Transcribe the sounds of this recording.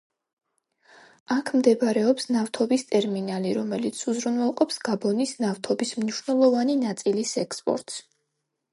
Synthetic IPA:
akʰmd̪ɛbɾɛɔpsnaft̪ʰɔbist̪ʼɛɾminaliɾɔmɛlit̪sʰuzɾunwɛlˠqʼɔpsɡ̥abɔnisnaft̪ʰɔbismniʃnɛlˠɔvaninat̪sʼilisɛkspʼɔ̰ɾt̪ʼs

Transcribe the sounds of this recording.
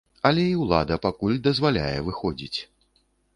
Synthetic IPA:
ɐlʲɛiwlˠa̰d̪ɐpakulʲd̪ɐzvalʲa̰jɛvɨxɔd͡zʲit͡sʲ

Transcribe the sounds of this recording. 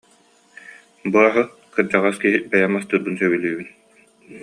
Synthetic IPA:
buɾaɦɯ | kɯɾd͡ʑaʁaskiɦibɛjamast̪uɾbunsœβylyːbyn

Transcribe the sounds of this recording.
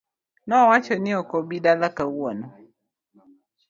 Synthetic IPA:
nɔwat͡ʃɔniɔkɔbidalakawɔnɔ

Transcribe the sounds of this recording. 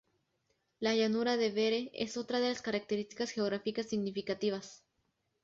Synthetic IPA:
laʝanuɾaðe̞βe̞ɾe̞ḛso̞t̪ɾaðe̞laskaɾak̚t̪eɾist̪i̥kasxe̞oɣɾafikasːiɣnifikat̪iβas

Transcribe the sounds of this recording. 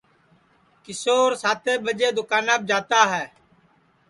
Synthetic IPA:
kɪsoːɾsaːt̪eːbəd͡ʒeːd̪ʊkaːnaːb̚d͡ʒaːt̪aːɦɛː

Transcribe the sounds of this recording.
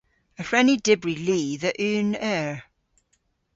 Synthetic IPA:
əfɹɛnidɪbɹiliːðəʔʉːnɛɹ

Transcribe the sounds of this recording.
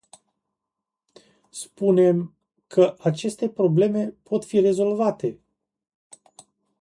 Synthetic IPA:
spune̞m | kʰəʔat͡ʃe̞st̪e̞pɾo̞ble̞me̞pʰo̞t̪fiɾe̞zo̞lvat̪e̞

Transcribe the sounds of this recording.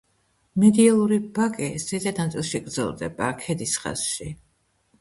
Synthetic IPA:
mɛd̪ialˠuɾibakʼist̪ɛzɛt̪nat̪sʼilˠʃiɡɾd̪zɛ̰lˠd̪ɛ̰bakʰɛd̪isχa̰sʃi

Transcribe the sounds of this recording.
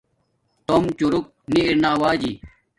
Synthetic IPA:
t̪omt͡ɕuɾuk̚niːɾnaːwaːd͡ʑi

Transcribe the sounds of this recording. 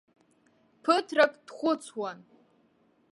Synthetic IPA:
pʰɨtʰrakʼd̥χʷʊt͡sʰwan

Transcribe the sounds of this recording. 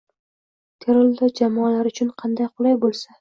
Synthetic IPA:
t̪ʰeɾolˠd̪ad͡ʒamɒlaɾʊt͡ʃʰʊnqʰɑnd̪ajqʰʊlˠajbolˠsa

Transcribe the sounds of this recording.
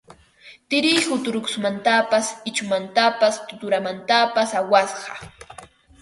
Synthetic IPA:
t̪ɪɾɪjhʊt̪ʊɾʊkʊ̥smant̪apasɪt͡ʃʊmant̪apast̪ʊt̪ʊɾamant̪apasawasɢɑ

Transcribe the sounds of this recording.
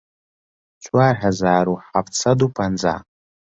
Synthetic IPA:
t͡ʃʷʰʼarħazaːɾuħapʰt͡sʰadupʰand͡za̰

